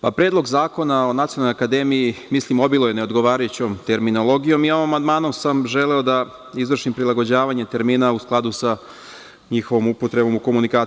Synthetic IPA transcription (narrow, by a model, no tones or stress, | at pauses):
papɾeːd̪lˠo̞ɡzaːko̞nao̞nat̪ionalːoakad̪e̞mijimislimo̞bilˠo̞jeneod̪ɡo̞ʋaːɾajut͡ɕomt̪e̞ɾmino̞lˠo̞ɡijo̞mioʋomamand̪maːnomsamʒe̞leod̪a | izʋr̩ʃimpɾilˠaɡo̞d͡ʑaːʋaɲe̞t̪e̞ɾmiːnausklˠad̪usa | ɲixo̞ʋomupot̪ɾebo̞muko̞munikaː